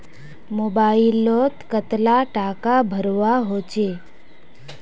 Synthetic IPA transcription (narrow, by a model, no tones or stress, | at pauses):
mobailːot̪kət̪laʈakabʱəɾʋaɦot͡ɕe